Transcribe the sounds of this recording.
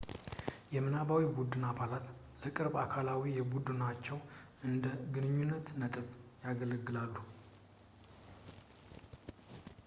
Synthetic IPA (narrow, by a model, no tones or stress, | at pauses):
jɛmɨnaβawibud̪ɨnaβalat̪ | ləkʼɨɾbakʰalawijɛbud̪ɨnat͡ʃːɛw | ɨnd̪əɡɨnɨɲːunːət̪nət̪ʼɨβjaɡələɡːɨlalːu